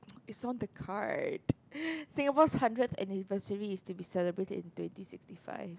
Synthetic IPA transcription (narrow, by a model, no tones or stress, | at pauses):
ɪtsɔ̃ndəkʰa̰ɹd̥sɪ̃ŋəpɔshãndɹət̪ɛ̰nivəsəɹiːstubisɛləbɹetdɪ̰̃ntwɛ̃ntisɪkstifa̰ɪf